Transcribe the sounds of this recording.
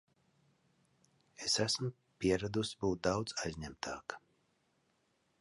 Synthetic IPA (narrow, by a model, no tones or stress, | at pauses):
esæsm | pʲiɛɾad̪usbuːt̪̚d̪awd̪zajzʲɲæmt̪ʰɑːkḁ